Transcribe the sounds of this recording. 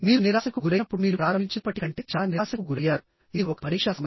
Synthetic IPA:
miːɾuniɾaːsɐkuɡuɾɐɐpːuɽumiːɾuɾaːɾɐmiɲt͡ʃɐɐpɐʈːikɐɳʈeːt͡ʃaːniaːsɐkuɡuɾɐjaːɾu | idɔkɐ̥pɐɾiːkʂasɐ

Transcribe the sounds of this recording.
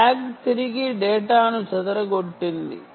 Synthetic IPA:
aːkt̪iɾiɡiɖɛːʈaːnut͡ʃɐd̪ɐɾɐɡoʈːind̪ḭ

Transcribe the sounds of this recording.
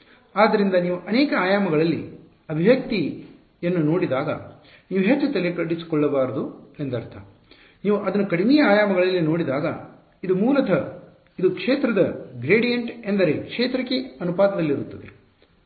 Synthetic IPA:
aːd̪ːɐɾind̪ɐniːʋuʔɐnɛːkɐaːjaːmɐɡɐɭɐlːḭ | ɐbʱiʋjɐk̚t̪i | enːuno̞ːɽid̪aːɡɐ̰ | niːʋuɦet͡ʃːut̪elekɐɽisi̥kɔɭːɐbaːɾɐd̪uend̪ɐɾt̪ʰɐ | niːʋuʔɐd̪ɐnːukɐɽimɛjɐaːjaːmɐɡɐɭɐlːino̞ːɽid̪aːɡɐ̰ | id̪umuːlɐt̪ʰɐ | id̪ukʂeːt̪ɾɐd̪ɐɡɾeːɽijɐɳʈe̞nd̪ɐɾe̞kʂeːt̪ɾɐkːeɐnupaːd̪ɐd̪ɐlːiɾut̪ːɐd̪e

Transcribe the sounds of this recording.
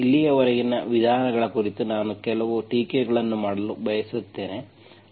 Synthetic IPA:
ilːijɐʋɐɾɐɡinːɐʋid̪ʱaːnɐɡɐɭɐkuɾit̪unaːnukɛlɐʋuʈiːkeɡɐɭɐnːumaːɽɐlubɐjɐsut̪ːe̞ːne

